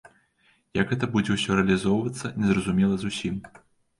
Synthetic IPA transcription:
jɐkɦɛt̪ɐbud͡zʲɛwsʲɔɾɛɐlʲizɔwvɐt̪sːɐnʲɛzrɐzumʲɛlˠɐzusʲim

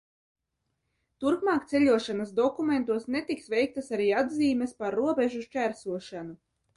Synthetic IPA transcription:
t̪uɾkmɑːkt̪seʎʲuɔʃanasd̪ɔkument̪uɔsnet̪iksvɛjk̚t̪asaɾiːad̪ziːmespaɾːuɔbeʒuʃt͡ʃæɾsuɔʃanu

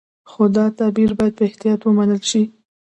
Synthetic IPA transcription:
xod̪ɑt̪ɑbiɾbɑjad̪̚pəɪht̪ijɑt̪wəmanəlʃi

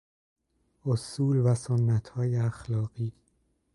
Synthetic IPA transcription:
ʔosuːlvæsonːæt̪ʰhɒːjeæxlɒːɣ̥iː

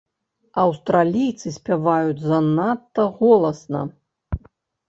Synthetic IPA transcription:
ɐwst̪ɾalʲijt̪sɨsʲpʲavajud͡zʲzɐnat̪ːɐɣɔlˠɐsnɐ̰

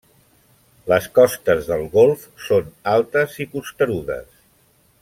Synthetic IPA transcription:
ləskɔst̪əzðəlˠɣolˠf | sonalˠt̪əzipust̪əɾuðə̰s

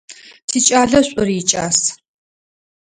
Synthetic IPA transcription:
tʰiːt͡ʃʼaːɮɐɕʷʼɔriːt͡ʃʼa̰ːs

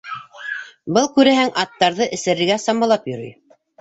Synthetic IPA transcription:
bɤlˠkʉɾæhæŋʔɑt̪ːɑɾðɤʔɘ̆sɘ̆ɾɘ̆ɾɡæsɑmɑlˠɑpjŏɾy̰j

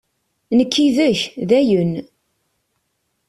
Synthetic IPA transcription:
nəkʰːiðəçðæjən

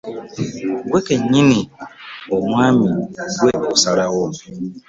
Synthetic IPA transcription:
ɡwekeɲinioŋʷamiɡeʔosaɾaɣɔ

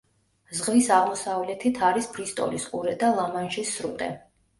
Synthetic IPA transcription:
zʁvisaʁmɔsavlɛt̪ʰit̪ʰaɾispʰɾist̪ʼɔ̰lisqʼuɾɛd̪alˠamanʒisːɾṵt̪ʼɛ̰

